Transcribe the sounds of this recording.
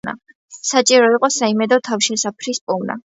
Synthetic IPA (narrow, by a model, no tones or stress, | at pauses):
a̰ | sat͡ʃʼiɾɔiqʼɔsaimɛd̪ɔt̪ʰavʃɛsapʰɾispʼumna̰